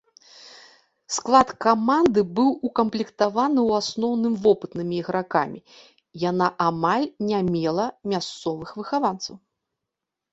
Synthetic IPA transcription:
sklˠat̪kamand̪ɨbɨwukɐmplʲikt̪avanɨwasnɔwnɨmvɔpɨt̪nɨmʲiːɣɾakamʲi | janaʔamalʲnʲamʲɛlˠɐmʲast̪sɔvɨxvɨxavant̪sɐw

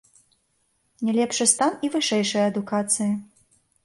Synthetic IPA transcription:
nʲɛlʲɛpʂɨst̪anivɨʂɛjʂɐjɐɐd̪ukat̪sɨji

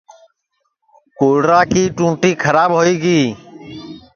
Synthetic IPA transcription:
koːɽɾaːkiːʈũːʈiːkʰəɾaːbɦoːiːɡiː

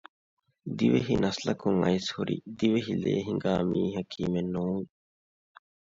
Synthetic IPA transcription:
d̪iʋeɦinɐslɐkuŋɐ̰jshuɾḭd̪iʋeɦilḛːɦiŋɡaːmiːɦɐkʰiːmenːuːŋ

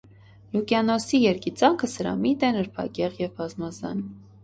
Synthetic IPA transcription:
lukjɑnɔsijɛɾkit͡sɑŋkʰəsəɾɑ̰mit̪ɛnəɾpʰɑ̰kɛʁjɛvbɑzmɑzɑ̰n

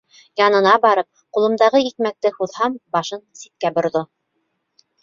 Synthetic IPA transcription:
jɑnɤ̆nɑbɑɾɤp̚qulˠɤ̆md̪ɑʁɤik̚mæk̚t̪ɘhuðhɑmbɑʃɤnsit̪̚kæbŏɾðo

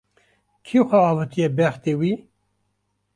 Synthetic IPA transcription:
kʰixʷɛɑːvɨt̪ʰijɛbɛxt̪ewiː

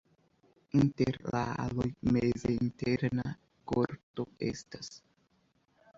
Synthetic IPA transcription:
inte̞ɾlaalojmezeinteɾna | koɾto̞e̞̰stas

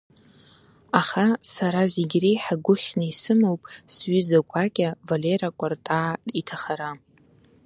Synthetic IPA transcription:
aχasaɾazeɡʲrejħaɡʷʊχʲnaisɨmowpʼsɥʏzakʷʰʼakʲʼavaleɾakʷʼartʼaːitʰaχaɾa

